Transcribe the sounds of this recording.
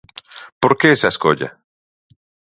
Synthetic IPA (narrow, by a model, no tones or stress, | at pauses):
poɾkeesaeskoʎa̰